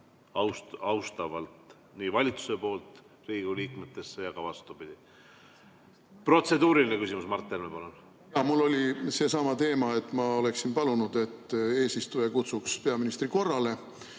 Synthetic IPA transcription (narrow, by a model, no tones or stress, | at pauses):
ɑwstɑwst̪ɑvɑlt̪ | niːvɑlʲit̪su̥se̞po̞ːlt̪ | riːɡuliːkmet̪ːˑe̞sːejɑɡ̥ɑvɑst̪ubid̪̥i | pro̞t̪se̞d̪uːɾilinekysimusmɑrt̪ːˑemepɑlun | jɑmulːo̞lʲise̞ːsɑmɑt̪e̞ːmɑe̞t̪ːˑmɑo̞le̞ksinpɑlunud̪̥e̞t̪ːe̞ːsist̪ujekut̪sukspe̞ɑminist̪ɾiko̞rːɑle̞